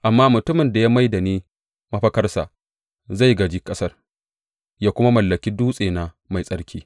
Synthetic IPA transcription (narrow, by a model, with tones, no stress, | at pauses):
ʔa˨mːaː˦mʊ˨tʊ˦mɪ˨nda˨ja˦ma˦jda˨neː˦ | mɐ˦ɸɐ˦kɐ˦rsa̰˨ | za˦˨jɡɐ˨d͡ʒi˦kʼɐ˦sɐ˦r | jaː˦kʷʊ˦ma˦mɐ˨lːɐ˨kʲiː˦duː˦sʼeː˨na˨ | ma˨jsʼɐ˦rkʲʰiː˦